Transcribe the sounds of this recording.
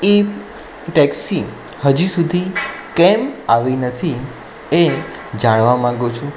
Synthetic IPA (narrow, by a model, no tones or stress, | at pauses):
ip | ʈɛksi | həd͡ʒisud̪ʱikɛmaʋinət̪ʰi | e | d͡ʒaɽ̃ʋamãɡut͡ʃʰũ